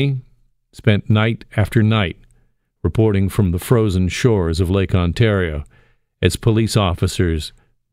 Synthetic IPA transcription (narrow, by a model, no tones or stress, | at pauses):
i | spɛ̃nnaɪɾæftə˞naɪt̚ | ɹɨpʰɔɹɾɪ̃ŋfɹʌ̃mðəfɹoʊzɨ̃n̩ʃɔɹzʌvleɪkɑ̃ntʰɛɹioʊ | ɨz̥pʰəlisɔfɨsə˞z̥